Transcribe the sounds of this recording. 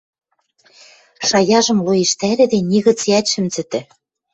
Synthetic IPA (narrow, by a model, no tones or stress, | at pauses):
ʃɑjɑʒɤ̆mlojĕʃt̪æɾɘ̆d̪ĕnʲiɣɤ̆t͡siæt̪ʲʃɘ̆mt͡sɘ̆t̪ɘ̆